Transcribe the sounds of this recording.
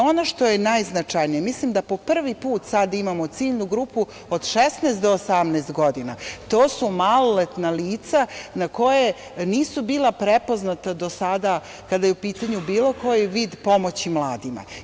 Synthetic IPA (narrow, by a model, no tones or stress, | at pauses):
o̞noʃt̪o̞jenajznat͡ʂajnijemislimd̪apo̞pr̩ʋipuːt̪sad̪imamot̪siːʎʲnuɡɾuːpu | od̪ʃesnest̪d̪o̞ːsamnɛːst̪ɡo̞d̪inat̪o̞ːsumalolet̪naliːt̪sanako̞je | niːsubiːlˠapɾepoznat̪ad̪o̞sad̪a | kad̪ajeupiːt̪aɲubiːlo̞kʰo̞jiʋiːd̪po̞mo̞t͡ɕimlˠaːd̪ima̰